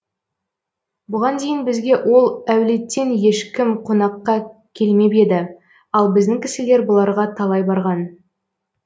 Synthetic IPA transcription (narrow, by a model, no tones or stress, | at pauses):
bʊʁɑnd̪e̞jɪnbɪzɡʲe̞ʔwʔo̞lˠæwle̞t̪ːe̞nje̞ʃkʲɪmqʰonɑqːɑkʲʰe̞lme̞pe̞d̪ɪ | ɑlˠbɪzd̪ɪŋkʲʰɪsɪle̞ɾbʊlˠɑɾʁɑt̪ʰɑlˠɑjbɑɾʁɑn